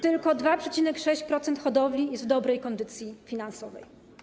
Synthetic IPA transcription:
t̪ɘlkɔd̪vapʂɛt͡ɕinɛkʂɛɕt͡ɕpɾɔt̪sɛnt̪xɔd̪ɔvlʲijɛst̪d̪ɔbɾɛjkɔnd̪ɘt̪sʲjifʲinansɔvɛ̰j

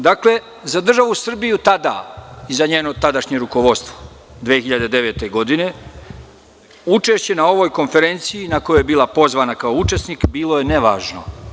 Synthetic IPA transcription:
d̪akle̞ | zad̪r̩ʒaʋusr̩bijut̪ad̪a̰izaɲeːnot̪ad̪aʃɲeɾuko̞ʋo̞d̪st̪ʋo̥ | d̪ʋeːxiʎad̪e̞d̪e̞ʋe̞ːt̪e̞ɡo̞d̪ine̞ | ut͡ʃe̞ʃt͡ɕe̞nao̞ʋo̞ːjko̞nfe̞ɾe̞nt̪siinako̞jojebiːlˠapo̞zʋaːnakaout͡ʃe̞snikbiːlˠo̞je̞neʋa̰ːʒno̞

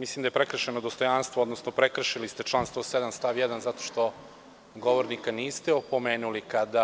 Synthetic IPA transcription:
mislimd̪ajepɾekɾr̩ʃenod̪o̞st̪o̞janst̪vood̪nosnopɾekr̩ʃilist̪e̞t͡ʃlˠaːnst̪vosed̪amst̪aʋjɛd̪anzat̪oʃt̪o̞ | ɡoʋoɾnikaniːst̪eopo̞meːnulikad̪a

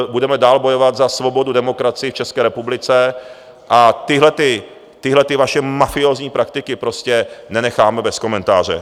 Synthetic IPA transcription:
budɛmɛdaːlbo̞jo̞vat̪zasvo̞bo̞dudɛmo̞kɾat͡sɪjɪft͡ʃɛskɛːɾɛpublɪt͡sɛ | ʔat̪ɪɦlɛt̪ɪ | t̪ɪɦlɛt̪ɪvaʃɛmafɪo̞ːzɲiːpɾak̚t̪ɪkɪpɾo̞scɛnɛnɛxaːmɛbɛsko̞mɛnt̪aːr̝ɛ̰

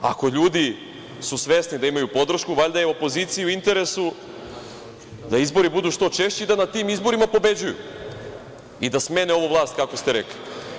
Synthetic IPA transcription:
a̰ko̞ʎuːd̪i | susʋe̞snid̪aimajupo̞d̪ɾ̩ʃkuʋaʎd̪ajeo̞po̞ziːt̪sijiuint̪e̞ɾe̞su | d̪aizbo̞ɾibud̪uːʃt̪o̞t͡ʃe̞ʃt͡ɕid̪anat̪iːmizbo̞ɾimapo̞be̞d͡ʑujṵ | id̪asme̞ːneo̞ʋoʋvlˠaːst̪̚kako̞st̪eɾekli

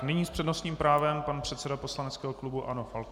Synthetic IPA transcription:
nɪɲiːspr̥ɛdno̞st̪ɲiːmpɾaːvɛmpanpr̝̥ɛt̪sɛdapo̞slanɛtt͡skɛːɦoklubuʔanofal

